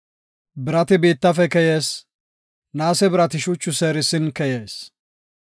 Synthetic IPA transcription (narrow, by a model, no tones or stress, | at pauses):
bɪɾɐt̪ɪbiːt̪ːɐfɛkɛjeːs | naːsɛbɪɾɐt̪ɪʃʊt͡ʃːʊseːɾɪsɪnkɛjeːs